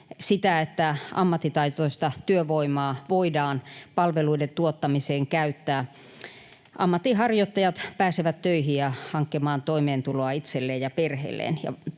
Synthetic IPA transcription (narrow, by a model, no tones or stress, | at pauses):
sit̪æet̪ːæʔɑ̰mːɑt̪ːit̪ɑit̪oist̪ɑt̪yøʋoimɑːʋoidɑːnpɑlʋeluident̪uot̪ːɑmiseːŋkæyt̪ːæː | ʔɑ̰mːɑt̪ːiɦɑrjot̪ːɑjɑt̪pæːseʋæt̪tøihijjɑhɑŋkːemɑːnt̪oimeːnt̪uloɑit̪selːeːjjɑperhḛlːˑḛːnjɑ̰